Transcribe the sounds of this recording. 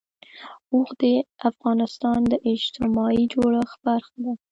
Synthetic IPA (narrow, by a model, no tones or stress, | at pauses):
uxd̪eafɣɑnɪst̪ɑnd̪əʔɪd͡ʒt̪ɪmɑid͡ʒoɽəxbaɾxd̪a